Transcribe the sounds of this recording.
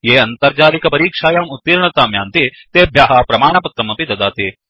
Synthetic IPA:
jeːɐnt̪ɐɾd͡ʒaːɾikɐpɐɾiːkʂaːjaːmut̪ːiɾɐɳɐt̪aːmjaːnt̪it̪eːbʱjaːɦaːpɾɐmaːɳɐpɐt̪ɾɐmɐpid̪ɐd̪aːt̪i

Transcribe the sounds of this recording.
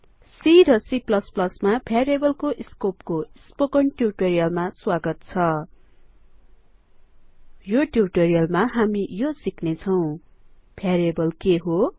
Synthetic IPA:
siɾʌsiplʌsplʌsmapʰjaɾebʌlkoʔiskop̚koispokʌɳʈjurʈoɾijʌlmaswaɡʌt̪̚t͡sʰʌ | joʈjurʈoɾijʌlmaɦamijosiknet͡sʰʌw̃pʰjaɾebʌlkeɦo

